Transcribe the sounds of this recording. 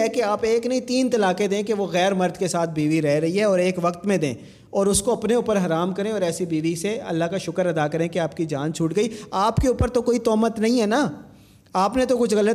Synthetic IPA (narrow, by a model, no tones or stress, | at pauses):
ɛkeaːpeːknɐĩt̪iːnt̪ɐlaːked̪ẽːkeʋoɣɛːɾmɐɾd̪ʱkesaːt̪̚ʰbiːʋiɾɛɦɾɐɦiɦɛɔːɾeːkʋɐkt̪mẽd̪ḛ̃ː | ɔːɾʊskoɐpneuːpəɾɦɐɾaːmkɐɾẽɔːɾɛːsibiːʋiseɐ̰lːaɦkaʃʊkəɾɐd̪akɐɾẽkeaːp̚kid͡ʒaːnt͡ʃʰʊːʈɡɐiːaːpkeuːpəɾt̪okoːit̪ɔːmət̪nɐɦĩɦɛːna | aːpnet̪̬okʊt͡ʃʰɣɐlət̪